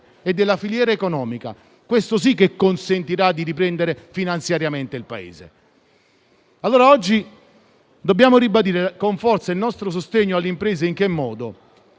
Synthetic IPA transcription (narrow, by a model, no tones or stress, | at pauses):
ed̪ːelːafiljɛːɾaekonɔːmika̰ | kwest̪os̬ikːekːonsent̪iɾad̪ːiɾipɾɛnd̪eɾefinant̪sjaɾjament̪eilpa̰ḛːzḛ | alːoːɾaɔd͡ʒːi | d̪obːjaːmoɾibad̪iːɾekoɱfɔrt̪sailnɔst̪ɾos̬ost̪eɲːoalːimpɾeːzeiŋk̟emːɔːd̪o